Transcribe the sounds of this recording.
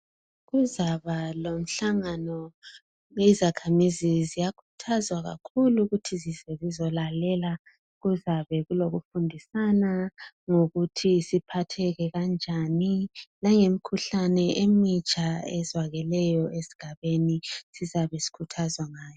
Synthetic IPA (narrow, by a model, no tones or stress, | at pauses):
ɣuzaβalom̩ɬaŋanɔ | ezakʰamizizijakʰu̥tʰazwaɣa̰kʰuluɣutʰizizɛzizɔlalɛla | ɣuzaβɛɣuloɣufundʱisana | ŋoɣutʰisipʰatʰɛɣɛɣand͡ʒʱanilaŋemikʰuɬanɛʔemit͡ʃʼaɛzwaɣɛlɛjɔʔesi̥ɡ̥ʱaβenisizaβesi̥kʰutʰazwaŋaːjɔ